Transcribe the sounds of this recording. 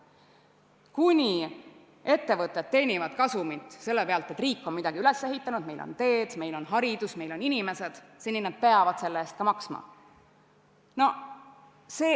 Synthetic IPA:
kunʲi | e̞t̪ːe̞vɤt̪ːˑed̪̥̚t̪ːe̞ːnʲivɑd̪̥kɑsumit̪ˑse̞lːepe̞ɑlt̪e̞t̪ːriːkːˑo̞nmid̪̥ɑɡiyle̞sːe̞ɦit̪ːˑɑnud̪̥̚me̞jlo̰nt̪e̞ːd̪̥me̞jlo̞nɦɑɾid̪̥usme̞jlo̞ninime̞se̞d̪̥senːined̪̥̚pe̞ɑvɑd̪̥se̞lːeeːst̪kɑmɑksmɑ̰ | no̞ | se̞

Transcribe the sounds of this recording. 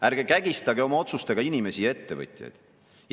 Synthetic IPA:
æɾɡ̥ekæɡ̥ist̪ɑɡe̞o̞mɑo̞t̪sust̪e̞ɡ̥ɑinime̞sijɑe̞t̪ːe̞vɤ̰t̪ʲˑjɑ̰jd̪̥ | j

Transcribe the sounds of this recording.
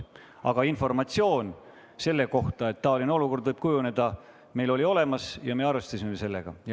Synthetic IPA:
ɑɡ̥ɑinfo̞rmɑt̪sio̞ːn | se̞lːe̞ko̞ht̪ɑe̞t̪ːɑːlʲino̞luko̞rd̪vɤɨjb̥kujune̞d̪̥ɑ | me̞jlo̞lʲio̞le̞mɑsjɑme̞ɑrvest̪ɑsʲimemese̞lːe̞̰ɡ̥ɑ̰j

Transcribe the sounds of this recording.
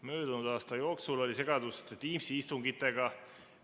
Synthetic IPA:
mø̞ːd̪̥unud̪̥ɑːst̪ɑjo̞ːksulo̞lʲise̞ɡ̥ɑd̪̥ust̪t̪iːmsiist̪uŋɡit̪ːˑe̞ɡɑ

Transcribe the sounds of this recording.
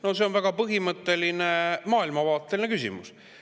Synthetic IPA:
no̞se̞o̞nvæɡ̥ɑpɤɦimɤt̪ːˑe̞linemɑːilmɑvɑːt̪ːˑe̞linekysʲḭmṵs

